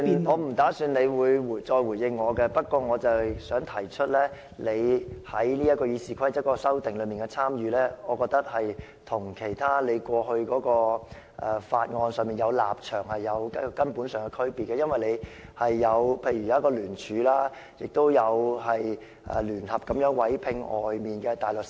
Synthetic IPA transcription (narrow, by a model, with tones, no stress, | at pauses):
ŋɔː˨˧m̩˨˩t̪aː˨˥syː˧nle˨˧jwuː˨˧jwu˨˩jt͡sɔː˧jwuː˨˩jɪ˧ŋːɔː˨˧kɛ˧pɐ˥t̚kwɔː˧ŋɔː˨˧t͡sɐ˨wsœː˨˥ŋt̪ʰɐ˨˩jt͡ʃʰɵ˥t̚lɛː˥ | le˨˧jhɐ˨˥jliː˥jɐ˥t̚kɔː˧jiː˨˧siː˨˩kʰɐ˥jt͡sɐ˥kɔː˧sɐ˥wt̪ɪ˨ŋlɵ˨˧ɥmiː˨nkɛ˧t͡sʰaː˥mjyː˨˧lɛː˥ɔː˨˧kɔː˧k̚t̪ɐ˥k̚hɐ˨j | t̪ʰʊ˨˩ŋkʰe˨˩jt̪ʰaː˥le˨˧jkʷɔː˧hɵ˧ɥkɔː˨˥kɔː˧ | ʔɛ˨˧faː˧t̚ŋɔː˧nsœː˨ŋmiː˨njɐ˨˧wla̰ː˨p̚t͡ʃʰœː˨˩ŋhɐ˨jːɐ˨˧wkkɐ˥npuː˨˥nsœː˨˩ŋkɛ˧kʰɵ˥ɥpiː˨t̚kːɛː˧jɐ˥nwɐ˨jle˨˧jhɐ˨jːɐ˨˧wpʰe˧jɥy˨˩jaː˨˥kːɔː˧lyː˨˩nt͡ʃʰyː˨˧laː˥ | jɪ˨k̚t̪o˥wjɐ˨˧whɐ˨j | ʔɛ̰ː˨˩lyː˨˩nhɐ˨p̚kɐ˨˥mjœː˨˥ŋwɐ˨˥jpʰɪ˧ŋʔɔː˨jmiː˨nkɛː˧t̪aː˨˩jlʊ˨k̚